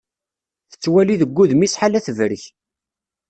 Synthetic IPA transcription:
θə̥t͡sːwæliðəɡʷːuðmisħalæθəvɾəç

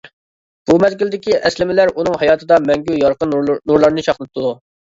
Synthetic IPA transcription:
b̥umɛzɡʲild̪ɪkʲiʔɛslɪmɪlæɾunɨŋhɑjɑːt̪ʰɨd̪ɑmɛŋɡʲyjɑɾqʰənnuɾlˠɑɾnɨt͡ʃʰɑχlˠɨp̚t̪ːud̪u

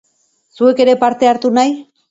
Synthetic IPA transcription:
sue̞ke̞ɾe̞paɾt̪e̞aɾt̪unaj

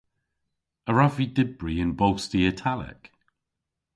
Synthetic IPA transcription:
əɹavidɪbɹiɪ̃nbowstiətʰalɪ̰k

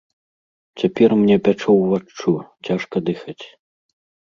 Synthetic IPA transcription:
t͡sʲapʲɛrmnʲɛpʲat͡ʂɔwvat͡ʂːut͡sʲaʂkɐd̪ɨxɐt͡sʲ

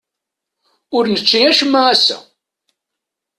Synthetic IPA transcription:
ʊɾnət͡ʃːiæʃəmːəæsæ̰

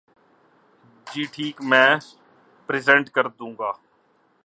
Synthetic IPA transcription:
d͡ʒiːʈʰiːkmɛ̃ː | pɾɪːzɛ̃ɳʈkəɾd̪ũːŋɡaː

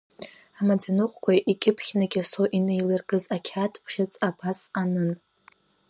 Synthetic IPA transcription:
amad͡zʼenuqʷʰʼkʷaʔikʲʼɪpʰχʲnaɡʲasoʔinejlɨrɡʼɨzakʲʰatʰpʰχʲɪt͡sʼapʰasanɨn

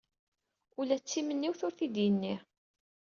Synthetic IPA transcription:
ulæt͡sːimənːiwθʊɾθid̪jənːi

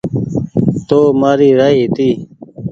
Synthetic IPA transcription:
t̪oːmaːɾiːɾaːiːt̪iː

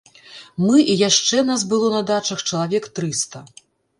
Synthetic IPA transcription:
mɨʔijaʂt͡ʂɛnas̬bɨlˠɔnɐd̪at͡ʂɐxt͡ʂɐlˠavʲɛkt̪ɾɨst̪ɐ

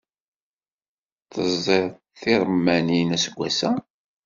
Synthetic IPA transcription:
θəzˤiɾˤ | θiɾˤmːæninæsəɡʷːæsæ

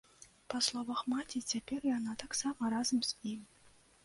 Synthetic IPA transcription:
pɐslˠɔvɐxmatʲit͡sʲapʲɛrjanat̪aksamɐɾazɐmz̥ʲimʲ

